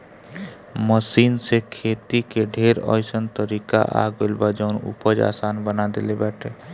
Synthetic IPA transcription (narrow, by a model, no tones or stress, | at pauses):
məsiːnsekʰeːt̪ikeɖʱeːɾɔ̰ːjsənt̪əɾiːka̰ʔa̰ːɡolbad͡ʒəʊnṵpəd͡ʒa̰ːsaːnbənad̪ḛlebɛːʈʰeː